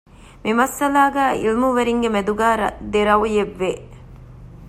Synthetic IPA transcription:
mimɐsɐlaːɡæːḭlmuʋɐɾiŋɡemed̪uɡaːɾɐd̪eɾɐʋujeʋːeː

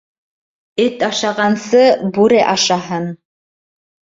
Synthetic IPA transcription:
ɘt̪ɑʃɑʁɑnsɤbʉɾɘʔɑʃɑɦɤn

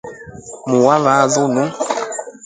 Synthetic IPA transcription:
muwavazunu

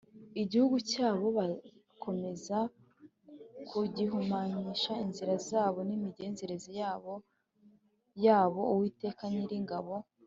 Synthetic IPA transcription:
iɟihuɡucaːβo̞βa | kʰo̞me̞za | kʰuɟiɦumaɲiʃainziɾazaːβo̞nimiɟe̞ːnze̞ɾezijaβo | jaːβo̞uwiːte̞ːkaniɾiŋɡaβo̞

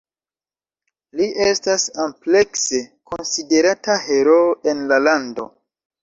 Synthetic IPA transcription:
liʔestasample̞kse̞ko̞nside̞ɾataheɾoe̞nlalando̞̰

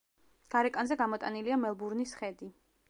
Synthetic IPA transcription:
ɡ̥aɾɛkʼanzɛɡamɔt̪ʼaniliamɛlˠbuɾnisχɛd̪i

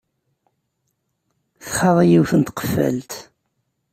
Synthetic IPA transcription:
θə̥χɑðˤijiwθənt̪qə̥fːə̰lt̪

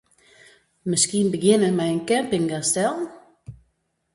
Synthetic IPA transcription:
məskinbəɡɪnəmɛjənkɛmpɪŋɡastɛlˠ

